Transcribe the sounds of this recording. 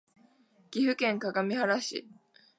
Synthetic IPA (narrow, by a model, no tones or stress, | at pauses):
ɡ̥ʲiɸɯ̟kẽ̞ŋkaɡamʲihaɾaɕḭ